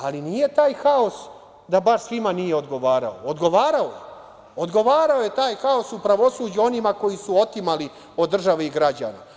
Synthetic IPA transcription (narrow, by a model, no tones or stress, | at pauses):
alinije̞t̪aːjxaos | d̪abaʃsʋimanijeo̞d̪ɡo̞ʋaːɾa̰ood̪ɡo̞ʋaːɾaoje | od̪ɡo̞ʋaːɾaoje̞t̪aːjxao̞supɾaʋo̞suːd͡ʑuo̞nimako̞jisuo̞t̪imali | o̞d̪ːr̩ʒaʋeiɡɾad͡ʑa̰na̰